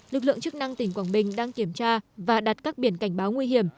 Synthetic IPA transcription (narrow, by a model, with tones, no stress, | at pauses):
lɨ˨˩k̚lɨ̰˧˨əŋt͡ɕɨ˦˥k̚na˧ŋt̪ï˨˧˩ŋ̟kwaː˧˩nɓï˨˩ŋ̟ɗaː˧ŋki˧˩əmt͡ɕaː˧vaː˨˩ɗa˨˩t̚kaː˦˥k̚ɓi˧˩ənka˧˩jŋ̟ɓaː˨˦wŋwi˧hi˧˩əm